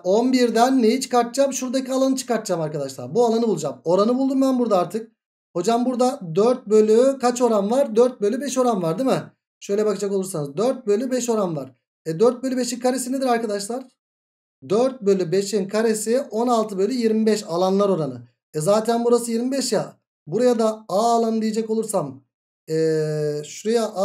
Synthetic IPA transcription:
o̞nbiɾd̪ænːejit͡ʃʰɯ̥kaɾt̪̚d͡ʒamʃuɾd̪acʰialˠanɯt͡ʃʰɯ̥kaɾt̪d͡ʒamaɾkad̪aʃlˠa̰ɾbualˠanɯbulˠud͡ʒamo̞ɾanɯbulˠd̪umbænbuɾd̪aaɾt̪ʰɯk̚ | ho̞d͡ʒambuɾd̪ad̪øɾt̪̚bø̞lʲykʰat͡ʃo̞ɾanvaɾd̪øɾt̪̚bø̞lʲybɛʃo̞ɾanvaɾd̪imɪ | ʃø̞jlʲɛbakɯd͡ʒako̞lˠuɾsanɯzd̪øɾt̪̚bø̞lʲybɛʃo̞ɾanvaɾ̥ | ɛd̪øɾt̪̚bølʲybe̞ʃinkʰaɾesinɛd̪iɾaɾkad̪aʃlˠaɾ̥ | d̪øɾt̪̚bø̞lʲybe̞ʃinkʰaɾesio̞nalˠt̪ʰɯbø̞lʲyjiɾmibɛʃalˠanlˠaɾo̞ɾanɯ | ɛzaːt̪ʰænbuɾasɯjiɾmibɛʃja | buɾajad̪aaːlˠanɯd̪ijed͡ʒɛkolˠuɾsam | ɛːʃuɾejaʔ

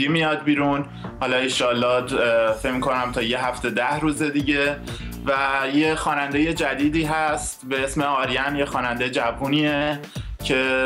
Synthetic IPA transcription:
imijɒːd̪̚biːɾun | hɒːlɒːeʃɒːlːɒːfe̞cmikʰo̞næmt̪ʰɒːje̞ɦæft̪e̞d̪æhɾuːze̞d̪iɟe̞ | væjexɒːnænd̪eje̞d͡ʒæd̪iːd̪iːɦæst̪be̞esme̞ɒːɾijænjexɒːnænd̪ejd͡ʒævuniːe | cʰe̞

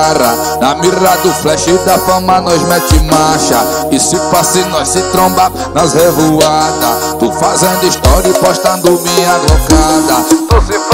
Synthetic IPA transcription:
ɾɐ | nɐmiɾad̪ʊflɛʃid̪ɐfɐ̃manɔzmɛt͡ʃɪmaʃɐ | ɪsɪfasinɔsɪt̪ɾõmba | nɐshevuad̪ɐ | t̪ufazẽnd̪ʊiʃt̪ɔɾipɔʃt̪ɐ̃nd̪ʊmĩad̪ɾokad̪ɐt̪usɪf

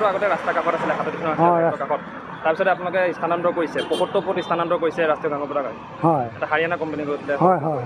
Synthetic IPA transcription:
ɾʊaɡɔtɛɹastakaxʰɔtasilɛkʰatɔtikʰɔnɔɹasatɔkakʰɔt̚ː | aɹpisɔtɛap̬unalɔkɛistʰandantɔkoisɛpɔxɔtːɔpɔtistʰandantɔkojisɛɹastijɔɡaŋɔpɔtaka | hɔjɛtaxaɹijanakɔmpenikoɹitilɛɔjɦɔj

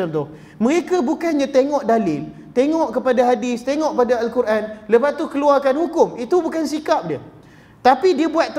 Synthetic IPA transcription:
əmt̪ʊh | mə̃ɾekabukanɲãt̪eŋɔʔdalɪl | t̪eŋɔʔkəpadaɦadɪst̪eŋɔʔ̚padaalkuɾʔanləbat̪ukəluarkanhukʊmit̪ubukansikap̚diə | t̪apidiabuat̪̚ː

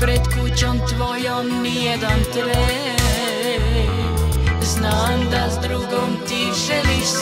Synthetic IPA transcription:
pɾɛd̪kut͡ɕomt̪ʋojomnijɛd̪ant̪ʋɛ | znaːmd̪azd̪ɾuːɡomt̪iʒɛlis

